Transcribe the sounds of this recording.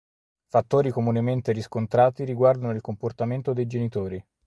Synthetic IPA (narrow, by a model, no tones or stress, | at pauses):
fat̪ːoːɾikomunement̪eɾiskont̪ɾaːt̪iɾiɡward̪anoilkomport̪ament̪od̪ejd͡ʒenit̪oːɾi